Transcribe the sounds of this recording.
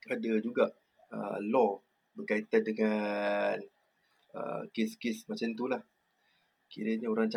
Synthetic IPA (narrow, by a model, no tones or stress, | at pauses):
adad͡ʒuɡaʔ | ə̰lɔ | bərkait̪andəŋan | ə̰keskɪsmat͡ʃant̪ulah | kiɾəɲaoɾaŋt͡ʃa